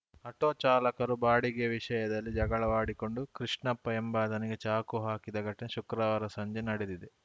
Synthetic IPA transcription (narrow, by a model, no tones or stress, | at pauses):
ɐʈoːt͡ʃaːlɐkɐɾubaːɽiɡeʋiʃɐjɐd̪ɐlːid͡ʒɐɡɐɭɐʋaːɽiko̞ɳɖukɾiʂɳɐpːɐjɐmbaːd̪ɐniɡe̞t͡ʃaːkuɦaːkid̪ɐɡʱɐʈːɐneʃukɾaːʋaːɾɐsɐɲd͡ʒenɐɽed̪id̪e